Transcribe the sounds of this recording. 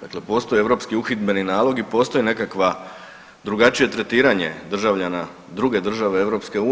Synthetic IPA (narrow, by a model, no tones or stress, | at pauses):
d̪akle̞po̞ːst̪o̞jieʋɾo̞pskiuxit̪be̞ninaːlˠo̞ɡipo̞ːst̪o̞jine̞kakʋa | d̪ɾuɡat͡ʃije̞t̪ɾe̞t̪iːɾaɲe̞̰d̪r̩ʒaʋʎana | d̪ɾuɡe̞d̪r̩ʒaʋe̞e̞ʋɾo̞pske̞uː